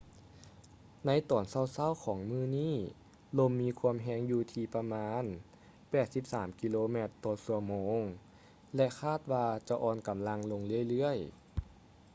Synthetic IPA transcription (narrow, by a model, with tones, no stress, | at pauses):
na˧˥jt̪ɔː˩nsa˧˥˩wsa˥˩˨wkʰɔː˩˦ŋmɯː˧˩˨niː˥˩ | lo˧mːiː˧kʰu˧əmɦɛː˧˩ŋjuː˧t̪ʰiː˧pa˧maː˧˥n | pɛː˨˩t̪̚si˧˦p̚saː˩˦mki˧loː˧mɛ˧˩t̪ːɔː˧˩su˧əmoː˧ŋ | lɛ˧kʰaː˥˩t̪̚waː˧t͡ɕa˧˦ʔɔː˧nka˩˦mla˧ŋlo˧ŋlɯ˥˩ə˨jlɯ˧˥˩əj